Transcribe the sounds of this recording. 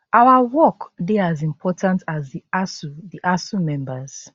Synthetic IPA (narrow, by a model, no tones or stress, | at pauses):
ʔawawɔkdeazĩmpʰɔtʰãntʰazðiasuðiʔasumɛ̃mbəz̥